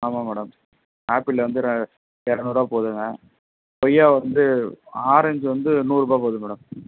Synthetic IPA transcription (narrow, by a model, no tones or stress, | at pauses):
aːmaːmɛːɽɐm | haːpɪlːɐʋɐnd̪ɯɾ | ɛɾɐnuːɾaːpoːðɯŋɡɐ | pɔjaːʋɐnd̪ɯaːɾɐɲd͡ʒɯʋɐnd̪ɯnuːɾɯbaːpoːðɯmɛːɽɐm